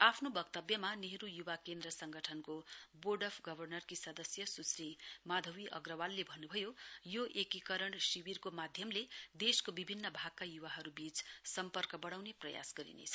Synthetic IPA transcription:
apʰnobʌkt̪ʌbjʌmaneɦɾujubakend̪rʌsʌŋɡʌʈʰʌnkoboɖʌpʰɡʌbʱʌrnʌrkisʌd̪ʌsjʌsusrimad̪ʱʌwiʔʌ̰ɡrʌwalːebʱʌnːubʱʌjojoʔekikʌɾʌɳsiwirkomad̪ʱjʌmled̪eskobibʱinːʌbʱaɡkajubaɦʌɾubit͡ssʌmpʌrkʌbʌɽ̃awneprʌja̰sɡʌɾḭnḛt͡sʰʌ

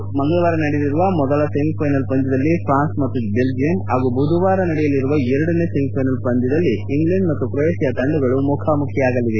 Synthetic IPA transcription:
mɐŋɡɐɭɐʋaːɾɐnɐɽeliɾuʋɐmɔd̪ɐlɐsemipʰɐjnɐlpɐnd͡ʒ̪id̪ɐlːipʰɾaːnsmɐt̪ːubeld͡ʒijɐnaːɡubʱud̪uʋaːɾɐnɐɽɛjɐlːiɾuʋɐɛɾɐɽɐne̞semipʰɐjnɐlpɐnd͡ʒ̪id̪ɐlːiːŋɡlɐɳɖmɐt̪ːukɾesijɐt̪ɐɳɖuɡɐɭumukʰamukʰjɐaːɡɐlːiʋe

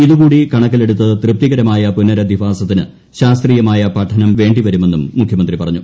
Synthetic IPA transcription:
iðukuːɽikɐɳɐkːɐle̞ɽut̪ːɐt̪rɨp̚t̪iɣɐɾɐmaːjɐpunːɐɾɐd̪ifaːsɐt̪ːinɨ̰ | ɕaːst̪riːjɐmaːjɐpɐʈʰɐnɐmʋe̞ːɳɖiʋɐɾume̞nːumːukʰjɐmɐnd̪ripɐrɐɲːu

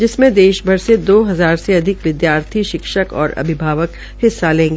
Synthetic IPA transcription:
d͡ʒɪsmẽd̪eːʃbʱɐɾsed̪oːɦɐzaːɾseɐd̪ʱɪkʋɪd̪jaːɾt̪ʰiʃɪkʃəkɔ̰ːɾɐ̰bʱɪbʱaːʋək | hɪsːalẽːŋɡeː

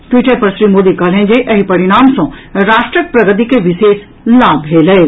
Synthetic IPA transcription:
ʈwiːʈəɾpɐɾʃɾiːmoːd̪ikɐlẽːd͡ʑeʔɐɦipɐɾɪɽ̃aːmsɔ̃ɾaːʃʈɾəpɾɐɡət̪̬ikeʋɪʃeːs | laːbɦeːlee

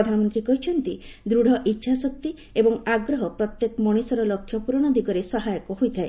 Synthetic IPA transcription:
ɔd̪ʱanɔmɔnt̪ɾikɔɦit͡ʃʰɔnt̪id̪ɾuɽ̤ʱɔʔitːʃʰasɔk̚t̪i | ebɔŋaɡɾɔɦɔpɾɔt̪jekmɔɽ̃isɔɾɔlɔkʰːjɔpuɾɔɽ̃ɔd̪iɡɔɾesɔɦajɔkɔɦojt̪ʰae

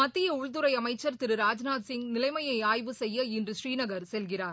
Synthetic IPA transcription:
mɐt̪ːɪjɐʊɭt̪ɯɾɐɪɐmɐɪt͡ʃːɐɾt̪ɪɾɯɾaːd͡ʒnaːd̪sɪŋɡnɪlɐɪmɐjɐɪaːjʋɯsɛjːɐɪndrɯʃɾiːnɐɣɐɾsɛlɣɪraːɾ

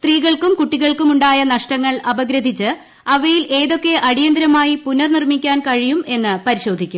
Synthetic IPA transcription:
st̪riːɣɐɭkumkuʈːiɣɐɭkumuɳɖaːjɐnɐʂʈɐŋːɐɭɐbɐɡɾɐd̪ʱit͡ɕːɨ | ɐʋɐjilʔe̞ːðo̞kːe̞ʔɐɽijɐnd̪ɾɐmaːjipunɐrnirmikʲːaːnkɐɻijume̞nːɨpɐɾiɕo̞ːd̪ʱikʲːum

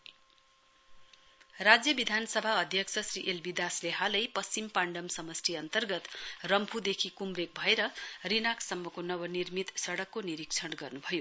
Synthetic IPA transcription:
rad͡zjʌbid̪ʱanʌsʌbʱaʌd̪ʱjʌksʰʌsriʔelbid̪asleɦalʌjpʌst͡ɕimpaɳɖʌmsʌmʌsʈʰiʌnt̪ʌrɡʌt̪rʌmpʰud̪ekʰikumrek̚bʱʌeɾʌrinaksʌmːʌkonʌwʌnirmit̪sʌɽʌkːoniɾikt͡sʰʌɽɡʌrnubʱʌjo

